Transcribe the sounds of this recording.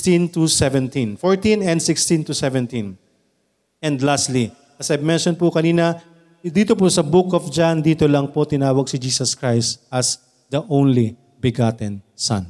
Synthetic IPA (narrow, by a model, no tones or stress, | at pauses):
t̪ĩnt̪usɛvɛ̃nt̪ĩnfoɹt̪ĩnɛ̃nd̪sɪkst̪ĩnt̪usɛvɛ̃nt̪ĩn | ɛ̃nd̪last̪li | ʔɐsɐjmɛnʃɔnpʊkɐniːnɐ | d̪iːt̪oposɐbʊkɔfd͡ʒand̪iːt̪olɐŋpot̪ɪnaːwɐɡ̚sɪd͡ʒiːsɐskɹajst̪ɐs | d̪ɐʔõwnli | bɪɡat̪ɛ̃nsã̰n